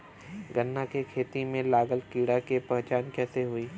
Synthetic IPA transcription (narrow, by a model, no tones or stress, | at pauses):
ɡənːakekʰeːt̪imẽlaːɡəlkiːɽakepɛɦt͡ʃaːnkɛːseɦuiː